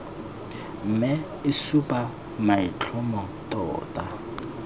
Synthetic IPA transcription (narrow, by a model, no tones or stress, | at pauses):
m̩mɪ | ɪsupʼa | mait͡ɬʰɔmɔ | tʼɔ̰ːtʼa